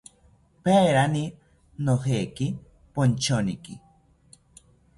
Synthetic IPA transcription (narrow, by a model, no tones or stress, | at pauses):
peɾani | noheki | pont͡ʃoniki